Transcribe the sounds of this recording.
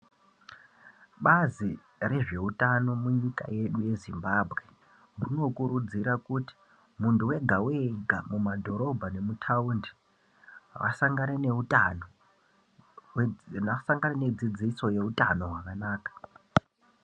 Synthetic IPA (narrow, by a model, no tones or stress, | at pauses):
ɓazi | re̞ʐe̞utano̞muɲika̰je̞ɗuje̞zimbabʱɣe̞ | muno̞kuɾud͡ziɾakuti̥ | muntuwe̞ɡʱaweɡʱamumadʱo̞ɾo̞bʱane̞mutʰaundi | ɦa̰wa̰saŋɡaneneutano | asaŋɡanene̞d͡zid͡ziso̞je̞uta̰no̞ɦwakanaːkḁ